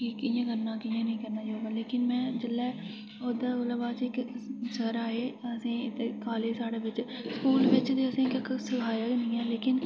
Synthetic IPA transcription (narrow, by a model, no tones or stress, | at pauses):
ikːɪjãːkəɾnaːkɪjãːnĩːkəɾnaːd͡ʒoːɡãːleːkɪnmɛ̃ːd͡ʒəlːɛː | oːd̪aːolabaːt͡ʃɪksəɾaːeːəsĩːɪt̪ekaːleːsaːɽeːʋɪt͡ʃskuːlʋɪt͡ʃt̪eːəsĩːkɪksəkʰaːjaːɡnĩːãːleːkɪn